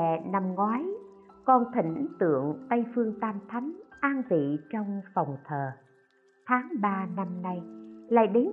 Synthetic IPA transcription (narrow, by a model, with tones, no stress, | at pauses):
na˧mŋwaː˨˦j | kɔ˧nt̪ʰï˧˩ŋ̟ʔŋt̪ɨ̰˧˨əŋt̪ə˧jfɨ˧əŋt̪aː˧mt̪ʰa˨˦jŋ̟ʔaː˧nvḭ˧˨t͡ɕɔ˧wŋ͡mfa˨˩wŋ͡mt̪ʰəː˨˩ | t̪ʰaː˨˦ŋɓaː˧na˧mna˧jla̰ː˧˨jɗi˨˦ŋ